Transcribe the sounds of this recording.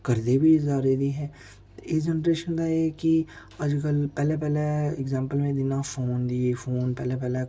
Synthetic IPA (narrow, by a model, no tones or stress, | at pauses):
kɐɾd̪ebʱizaːɾed̪iɦɛ̃ː | ed͡ʒɛnɾeːʃənd̪ajeki | ɐd͡ʒkəlpɛːlep̬ɛːleɪɡzɛ̃ːmpəlmẽd̪ɪnãfoːnd̪iefoːnpɛːlepɛːle